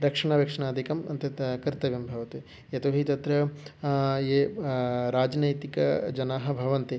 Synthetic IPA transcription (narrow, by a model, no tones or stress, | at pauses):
ɾɐkʂɐɳ̃aʋɐkʂɐɳaːd̪ʱikɐmɐ̰nt̪ɐkɐɾt̪ɐʋjɐmbʱɐʋɐt̪e | jɐt̪oɦit̪ɐt̪ɾɐ | je | ɾaːd͡ʒnɐjt̪ikɐ̰d͡ʒɐnaːɦɐ̆bʱɐʋɐnt̪e